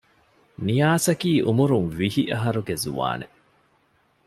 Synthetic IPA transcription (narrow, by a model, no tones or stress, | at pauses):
nijaːsɐkiːʔumuɾunʋihiʔɐɦɐɾuɡezṵʋa̰ːne